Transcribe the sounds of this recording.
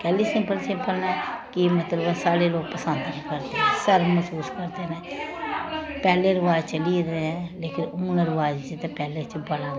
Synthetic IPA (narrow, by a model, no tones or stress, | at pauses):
kɛːliːsɪ̃mpəlsɪ̃mpəlnɛːkɪmət̪ləbɛsaːɽeːloːɡ̚pəsə̃nd̪nĩːkəɾt̪eːɦɛ̃ːsəɾməsuːskəɾt̪eːnɛː | pɛːleːɾɪʋaːd͡ʒt͡ʃəliːɾeɦɛ̃ːleːkɪnʊːnɾɪʋaːd͡ʒt͡ʃɪt̪epɛːleːt͡ʃbəlãː